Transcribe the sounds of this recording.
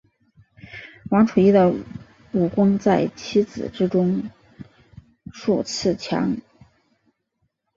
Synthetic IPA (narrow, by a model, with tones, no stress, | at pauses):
wɑ˧˥ŋʈ͡ʂʰu˨˩i˥d̪ə˨ | u˨˩kwʊ˥ŋt͡sa˥˩ɪt͡ɕʰi˥t͡sɹ̩̰˨˩ʈ͡ʂɻ̩˥ʈ͡ʂʊ˥ŋ | ʂu˥˩t͡sʰɹ̩˥˩t͡ɕʰjɑ̰˧˥ŋ